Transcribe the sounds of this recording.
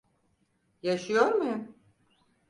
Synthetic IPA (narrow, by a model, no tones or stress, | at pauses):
jaʃɯjo̞ɾmujum